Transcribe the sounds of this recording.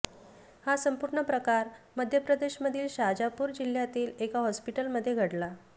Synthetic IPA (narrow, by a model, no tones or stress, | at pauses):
hasəmpuɾɳəpɾəkaɾməd̪ʱjəpɾəd̪eɕməd̪ʱiːlɕad͡ʑapuːɾd͡ʑil̤ːjat̪iːlekaɦɔspiʈəlməd̪ʱːjeɡʱəɽla